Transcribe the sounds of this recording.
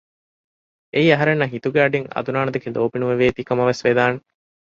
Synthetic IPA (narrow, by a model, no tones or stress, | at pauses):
eiɐɦɐɾenːɐɦit̪uɡeɐɖiŋɐ̰d̪unaːnɐd̪ɐkeloːpinuʋeʋeːt̪ikɐmɐʋesʋed̪aːne